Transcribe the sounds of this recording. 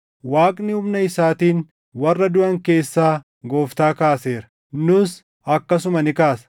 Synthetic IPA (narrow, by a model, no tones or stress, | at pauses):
waːkʼnɪʊmnɐɪsaːt̪iːn | wɐrːɐd̪ʊʔɐŋke̞ːsːaː | ɡo̞ːft̪aːkaːse̞ːɾɐ̥ | nʊs | ɐkːɐs̬ʊmɐnɪkaːsɐ̥